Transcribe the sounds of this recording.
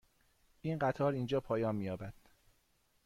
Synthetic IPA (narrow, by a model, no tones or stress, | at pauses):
ʔiːnɢæt̪ʰɒːɾiːnd͡ʒɒːpʰɒːjɒːnmiːjɒːbæd̪̥